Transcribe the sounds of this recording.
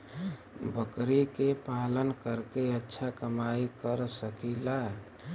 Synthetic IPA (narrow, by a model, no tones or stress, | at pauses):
bəkɾikepalənkəɾkeətːʃʰakəmaikəɾsəkila